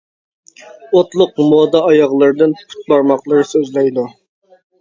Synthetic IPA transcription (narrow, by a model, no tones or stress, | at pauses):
ot̪lˠʊqmod̪ɑːjɑʁlˠɨɾɨd̪ɨnpʰu̥t̪̚bɑɾmɑqlˠəɾɨsøzlɛjd̪u